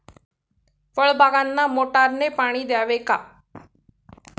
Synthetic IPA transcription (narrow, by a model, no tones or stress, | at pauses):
ʋəɭbʱaːɡãnːamoːʈaːɾnepaːɽ̃id̪jaːʋekaː